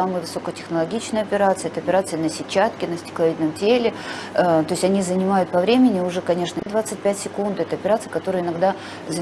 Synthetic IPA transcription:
amɨjvɨso̞kətʲɪ̥xnəlˠɐɡʲit͡ɕnəjɐpʲɪɾat̪sɨɪɛt̪əɐpʲɪɾat̪sɨənəsʲɪt͡ɕːat̪kʲɪnəsʲtʲɪ̥klˠɐvʲid̪nəmtʲelʲɪ | t̪o̞ɪsʲɐnʲizənʲɪmajʊt̪pɐvɾʲemʲɪnʲɪʊʐɛkɐnʲe̞ʂnəd̪vat̪sɨt̚ʲpʲætʲsʲɪkund̪ɛt̪əɐpʲɪɾat̪sɨjəkɐt̪o̞ɾɨjəɪnɐɡd̪a | zə

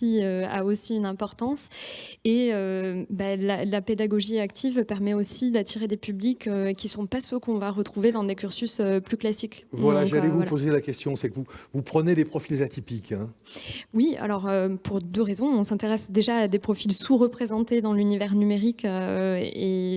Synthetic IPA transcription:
iøa̰osiynɛ̃pɔʁt̪ɑ̃seøbalalaped̪aɡɔʒiakt̪ʰivpɛʁmɛosid̪at̪ʰiʁed̪epyblikøkʲːisɔ̃pasøkɔ̃vaʁət̪χuved̪ɑ̃d̪ekʲyʁsysøplyklasikvwalaʒalɛvupozelakʲɛst̪jɔ̃sɛkvuvupχənelepχɔfilzat̪ʰipikʰɛ̃wia̰lɔʁøpʰuʁd̪øʁezɔ̃ɔ̃sɛ̃t̪eʁɛsd̪eʒaːd̪epχɔfilsuʁəpχezɑ̃t̪ed̪ɑ̃lynivɛʁnymeʁikøe

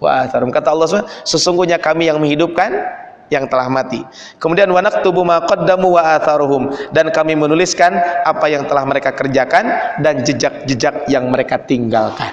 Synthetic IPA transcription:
wa̰aθaɾumkat̪aɔlːɔs̬səsuŋɡuhɲakamijaŋməŋhidup̚kan | jaŋt̪əlahmat̪i | kəmudianwanak̚t̪ubumaqɑdːamuwaʔaθaɾʊɦʊmdankamimənuliskanapajaŋt̪əlahməɾekakərd͡ʒakandand͡ʒəd͡ʒak̚d͡ʒəd͡ʒak̚jaŋməɾekat̪iŋɡalkan

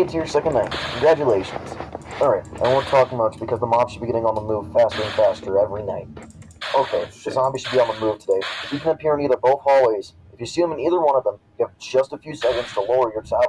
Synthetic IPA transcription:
ɪ̃ntʰɨjə˞sɛkɨ̃nnẽɪ̃mkʰnɡɹæd͡ʒɨleɪʃn̩z̥əɹaɪãwõntʰɔkɪ̃mʌt͡ʃb̥ɨkʰʌzðəmɑb̥ʃɨd̚biɡɛɾɪ̃ŋə̃nðəmuv̥fæstə˞ɨ̃nfæstə˞ɛvɹinaɪt̚ | ʔoʊkʰeɪ̥ʒ̥ʌsɑ̃iʃɨd̚biə̃nðəmuv̥tʰədeɪɨfjɨkʰɨ̃nɨpʰɪɹɨ̃niðə˞boʊθhɔlˠweɪz̥ | ɨfjɨsiðə̃mə̃niðə˞wʌ̃ñʌvðə̃mjɨɨvd͡ʒʌstəfjʉsɛkɨ̃n̩z̥tʰəloʊə˞jə˞t͡ʃʰa

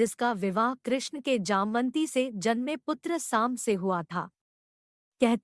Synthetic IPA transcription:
ɪskaʋɪʋaːɦkɾɪʃɳəked͡ʒaːmʋə̃nt̪ised͡ʒɐnmẽpʊt̪ɾəsaːmseɦuat̪ʰa̰ː | kɛɦt̪

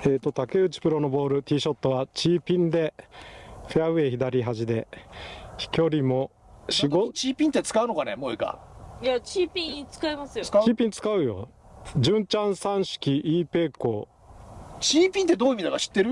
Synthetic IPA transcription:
eːt̪ːo̞t̪ake̞ɯ̟t͡ɕi̥pɯ̟ɾo̞no̞bo̞ːɾɯ̟t̪ʲiːɕo̞t̪ːo̞βat͡ɕiːpʲĩnd̪e̞ | ɸeaɯe̞ːçid̪aɾʲiɦaʑid̪e̞ | çi̥kʲo̞ɾʲimo̞ | ɕiɡot͡ɕiːpʲĩnt̪ːet͡sɨ̥kaɯ̟no̞kane̞̰mo̞eɡa̰jat͡ɕipʲĩɲit͡sɨ̥kaemasɨjo̥iːpʲĩɲt͡sɨ̥kaɯ̟jo̞̰ | d͡ʑɨ̃ɲt͡ɕãɰ̃sãɰ̃ɕi̥kʲiʔiːpe̞ːko̞̰ː | t͡ɕiːpʲĩnt̪̬ːe̞d̪oːimʲid̪aɡaɕi̥t̪ːe̞ɾɯ̟

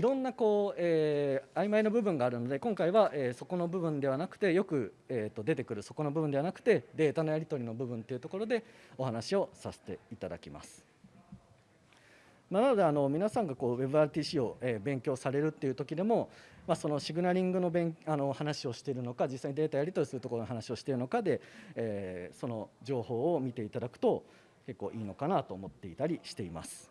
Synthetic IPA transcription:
iɾõ̞nːako̞ːeːaimaino̞bɯ̟bɯ̟̃ŋɡaːɾɯ̟no̞d̪e̞kõŋkaiβaʔeːso̞ko̞no̞bɯ̟bɯ̟̃nd̪e̞βanakɯ̟̥t̪e̞jo̞kɯ̟eːt̪ːo̞d̪e̞t̪e̞kɯ̟ɾɯ̟so̞ko̞no̞bɯ̟bɯ̃d̪eanakɯ̟̥t̪e̞d̪e̞ːt̪ano̞jaɾʲit̪o̞ɾʲino̞bɯ̟bɯ̟̃nt̪e̞iɯ̟t̪o̞ko̞ɾo̞d̪e̞o̞hanaɕio̞sase̥t̪e̞it̪ad̪a̰kʲima̰sɨ̥ | mananod̪e̞ano̞mʲinasãŋɡakoːwe̞bɯ̟aɾɯ̟t̪iːɕiːo̞ebẽ̞ŋkʲo̞ːsaɾe̞ɾɯ̟t̪ːe̞iɯ̟t̪o̞kʲid̪e̞mo̞maso̞no̞ɕiɡɯ̟naɾʲĩŋɡɯ̟no̞bẽŋano̞hanaɕio̞ɕi̥t̪e̞ɾɯ̟no̞kad͡ʑisːaiɲid̪e̞ːt̪ajaɾʲit̪o̞ɾʲisɨɾɯt̪oko̞ɾnoɦanaɕio̞ɕi̥t̪e̞ɾɯno̞kad̪e̞eːso̞no̞d͡ʑo̞ːho̞ːmʲit̪e̞it̪ad̪akɯ̟̥t̪o̞ | ke̞kːo̞ːʔiːno̞kanat̪o̞ːmo̞t̪ːe̞it̪aɾʲiɕi̥t̪e̞ima̰sɨ̥

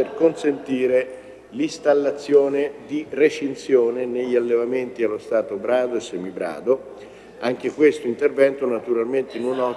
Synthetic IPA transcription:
erkonsent̪iːɾe | list̪alːat̪sːjoːned̪iret͡ʃinsjoːneneʎːalːevament̪ialːost̪aːt̪obɾaːd̪oesːɛːmibɾa̰ːd̪o | aŋk̟ekwest̪oint̪ervɛnt̪onat̪uɾalment̪einunɔ

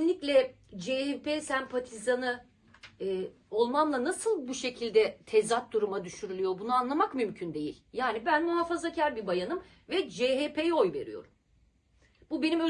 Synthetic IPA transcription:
nlʲiclʲɛ | d͡ʒehepesæmpʰat̪ʰizanɯ | o̞lˠmanlˠanasɯlˠbuʃe̞cʰilʲd̪ɛt̪ʰɛzat̪̚d̪uɾumad̪yʃyɾylʲyjo̞bunuanlˠamakmymcʰynd̪e̞jḭlʲjaːnibænmuɦafazacʰaɾbibajanɯm | vɛd͡ʒeɦepʰejo̞jve̞̰ɾḭjo̞̰ɾum | bube̞nimø

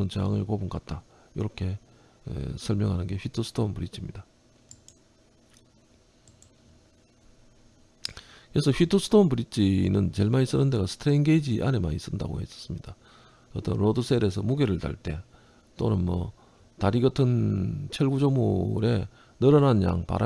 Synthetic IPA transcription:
ɯnt͡ɕeaŋɯɭkobunkat̚t͈a | jiɾʌkʰe̞̰ | sʰʌɭmjʌŋɦanɯnɡe̞ɸɥitʰusʰɯ̥dʰonpuɾit͡ɕʰimɲida | kɯesʰʌɸɥitʰosʰu̥tʰonpuɾit͡ɕ͈ʰinɯnt͡ɕe̞ɭmais͈ɯnɯnde̞ɡasʰɯ̥tʰɾeiŋɡeid͡ʑiʔane̞manis͈ɯnda̰ɡo̰he̞s͈ʌ̥s͈ɯmɲid̥a | ʌt͈ʌnɾodusʰe̞ɾe̞s̬ʰʌmuɡe̞ɾɯɭta̰ɭt͈e̞̰ | t͈onɯnmʌ̰ | taɾiɡʌtʰɯnt͡ɕʰeɭɡud͡ʑomuɾe̞ | nɯɾʌnɦanja̰ŋpa̰ɾʔa

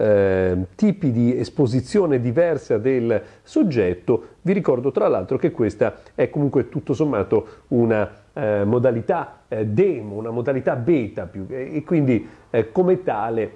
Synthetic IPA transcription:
t̪iːpid̪iespozit̪sːjoːned̪ivɛrsad̪el | sod͡ʒːɛt̪ːoviɾikɔrd̪ot̪ɾalːa̰lt̪ɾok̟ekːwest̪aɛkːomuŋkwet̪ut̪ːosomːaːt̪ouna | mod̪alit̪ad̪ɛːmounamod̪alit̪abɛːt̪apuːkːwind̪ikomet̪aːle

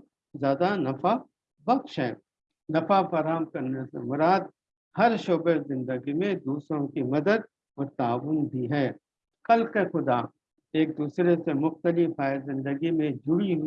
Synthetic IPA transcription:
zjaːd̪anɐfa | bɐkʃɦɛ̰ː | nɐfafaːɾaːɦəmkɐɾnesḛmʊɾaːd̪ | hɐɾʃoːbezɪ̃nd̪əɡimẽd̪uːsɾõkimɐd̪əd̪̚ | mʊt̪aːʋʊnbʱiɦɛː | kɐlkexʊd̪a | eːk̚d̪uːsɾesemʊxt̪əlɪfaːezɪ̃nd̪əɡimẽd͡ʒʊɽiɦʊ

